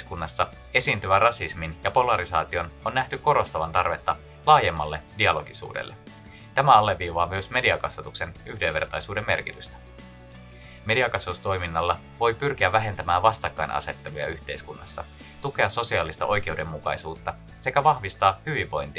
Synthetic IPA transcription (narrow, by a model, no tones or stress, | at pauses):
skunːɑsːɑ | e̞siːnt̪yʋærɑsisminjɑpo̞lɑɾisɑ̰ːt̪io̞nonːæht̪ykko̞ɾo̞st̪ɑʋɑnt̪ɑrʋe̞t̪ːɑ | lɑːje̞mːɑlːe̞diɑlo̞ɡ̥isṵːdḛlːe | t̪æmæɑlːe̞ʋːiːʋɑːmyøsme̞diɑkɑsʋɑt̪ukse̞nyhde̞ʋe̞rt̪ɑjsuːde̞mːe̞rk̟it̪yst̪æ̥ | me̞diɑkɑsʋɑt̪ust̪o̞jminːɑlːɑ | ʋo̞jpyrk̟iæːæɦe̞nt̪æmæːʋɑst̪ɑkːɑjnʔɑ̰se̞t̪ːe̞lujɑ̰yçt̪e̞̰jskunːɑ̰sːɑ | t̪uke̞ɑso̞siɑːlist̪ɑ̰ʔo̞jk̟e̞ude̞mːukɑjsuːt̪ːɑ | se̞kæʋɑhʋist̪ɑːhyʋiʋʋo̞jnt̪i